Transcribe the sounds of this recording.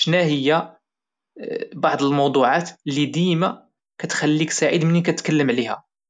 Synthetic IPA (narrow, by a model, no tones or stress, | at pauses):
ʃnæhəjːæ | bɑʕd̪ˤəlmɑwd̪ˤuʕat̪lːid̪imæ | kæt̪xælːiksaʕid̪mənikæt̪kəlːəmʕlihæ̰